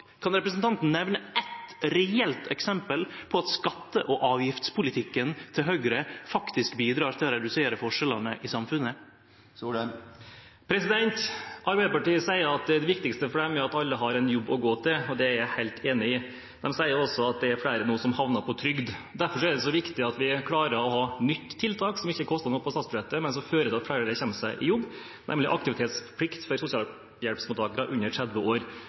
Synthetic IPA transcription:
kʰɑnɾɛpɾəs̬nt̪ʰɑnt̪n̩nɛʋnəɛt̪ɾɛɛlt̪ɛksɛmpəlpʰɔɑt̪skɑt̪ːəʔɔʔɑːʋjɪft̪spʰʊlɪt̪ʰɪkːənt̪ʰɪlɦœɡɾəfɑkt̪ɪskbiːd̪ɾɑːɾt̪ʰɪlɔɾɛd̪ʉseːɾəfɔʂɛlənəʔɪsɑmfʉnə | pʰɾɛsɪd̪ɛnt̪ʔɑɾbæɪd̪əpɑʈiːəsæɪəɾɑt̪d̪ɛʋɪkt̪ɪkst̪əfɔɖɛmæɾɑt̪ɑlːəɦɑɾɛnjɔbːɔɡoːt̪ʰɪlɔd̪ɛæɾjæɪhæɪlt̪ʰeːnɪɪ | d̪ɛmsæɪəɾɔsːɔɑt̪̚d̪ɛæɾfɽæɪɾənuːəsɔmhɑʋnɑɾpʰɔt̪ʰɾʏɡd̪d̪æɾfɔʂɔɛd̪ɛsɔʋɪkt̪ɪɑt̪ʋɪkʰlɑːɾəɾɔhɑːnʏt̪ːʰɪlt̪ʰɑːksɔmɪçːəkʰɔst̪ɑnuːəpʰɔst̪ɑt̪sbʉʃɛt̪ːəmɛns̬ɔføːɾət̪ʰɪlɑt̪flæɪɾəɾəçɛnːəsæɪʔɪjʊbː | nʔɛ̰mlɪʔɑ̰k̚t̪ɪʋɪt̪ʰeːt̪spʰlɪkt̪fɔɾsʊsɪɑːl | jɛlpsmʊt̪ʰɑːkəɾɑʔʉɲːəʈʰɾæd̪ʋəoːɾ

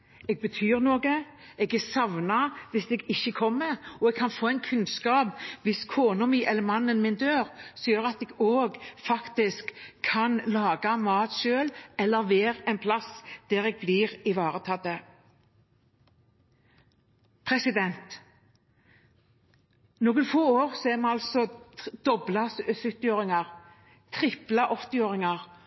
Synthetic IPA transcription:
ɛːɡ̚bət̪ʰyːʁnoːɡə | ɛːɡæsɑʋnɑʋɪsd̪ɛːɡɪçːəkʰɔmːəɔɛɡ̚kʰɑnfoːɛɪnkʰʉnskɑːpʋɪskʰoːnʊmiːʔɛlːəɾmɑnːənmɪnd̪øːɾsɔjøːɾɑt̪ɛːɡoːɡfɑkt̪ɪskʰːɑnlɑːɡɑmɑːt̪ʃøːlɛlːəɾʋeːɾɛɪnpʰlɑsd̪̥ɛːʁɛːɡ̚bliːʁɪʋɑːʁət̪ʰɑd̪ə | pʰʁɛsɪd̪ɛnt̪ | noːɡənfoːoːʁsɔɛʁmɛɑlsɔd̪̥ɔblɑssʏt̪ːɪoːɾɪŋɑʁ | t̪ʰɾɪplɑʔɔt̪ɪoːɾɪŋɑʁ

